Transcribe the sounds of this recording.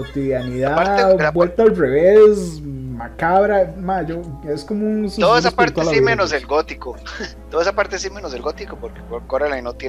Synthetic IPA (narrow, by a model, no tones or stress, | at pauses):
kot̪iðjaniðaabwelt̪alreβesmakaβɾamad͡ʒoeskomounsuooesaspeɾt̪alaimenoselɡot̪ikot̪oðoesapaɾt̪esimenozelɡot̪ikopoɾkekokoɾalainot̪je